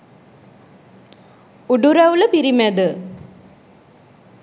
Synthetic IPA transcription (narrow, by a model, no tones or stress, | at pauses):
uɖuɾɐʋulpiɾimɐd̪ɨ